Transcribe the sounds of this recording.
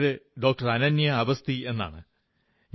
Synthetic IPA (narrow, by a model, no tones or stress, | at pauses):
ɾɨɖo̞ːk̚ʈɐrɐnɐnjɐːbɐst̪ie̞nːa̰ːɳɨ | ɲ